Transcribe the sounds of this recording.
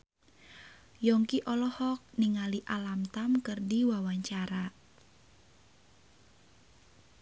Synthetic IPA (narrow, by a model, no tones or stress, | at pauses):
jɔŋkiʔɔlɔhɔk̚niŋaliʔalamt̪amkərdiwawaɲt͡ʃaɾa